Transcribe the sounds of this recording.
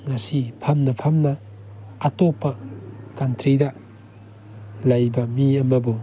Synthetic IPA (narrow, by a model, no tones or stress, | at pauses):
ŋasipʰɐmnɐpʰɐmnɐː | topːɐkantɾidɐ | lajbɐmiɐmɐbu